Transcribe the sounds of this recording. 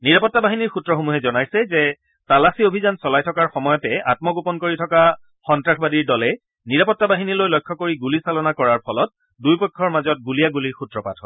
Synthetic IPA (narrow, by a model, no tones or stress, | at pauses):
niɹapɔtːabaɦiniɹxutːɹɔxomuɦɛzɔnajsɛzɛ | talasiobʱizansɔlajtʰɔkaɹxɔmɔjɔtɛa̰tmɔɡupɔnkoɹitʰɔka | xɔntɹakʰbadiɹdɔlɛ | niɹapɔtːabaɦinilojlɔjkʰːɔkoɹiɡulisalɔnakɔɹaɹpʰɔlɔt̚ | dujpɔkʰːɔɹmazɔt̚ɡulijaɡuliɹxutɹɔpatʰɔ̰